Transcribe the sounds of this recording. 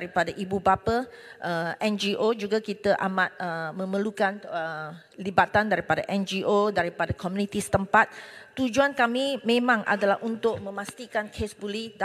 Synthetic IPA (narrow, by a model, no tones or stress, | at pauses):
aɾipadaʔibubapəʔəʔɛnd͡ʒiʔod͡ʒuɡakit̪əʔamat̪̚əmə̃məlukanə | libat̪andaɾipadaʔɛnd͡ʒiʔodaɾipadakɔmũnit̪isə̥t̪əmpat̪̚ːud͡ʒuankamimẽmãŋʔa̰dalaɦʔunt̪ʊʔ̚mə̃mast̪ikankʰesbulida